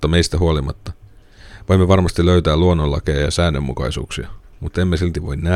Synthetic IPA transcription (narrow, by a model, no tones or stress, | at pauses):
ɑmeist̪æɦuolimɑt̪ːɑ | ʋoimːeʋɑrmɑst̪iløyt̪æːluonːolːɑ̰kejɑjɑ̰sæːnːømːukɑ̰isṵːksiɑ | mut̪ːemːesilt̪iʋoinnæ